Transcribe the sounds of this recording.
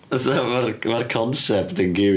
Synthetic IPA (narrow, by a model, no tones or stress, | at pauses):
əθavarmarkʰɔnsɛptənɡɪ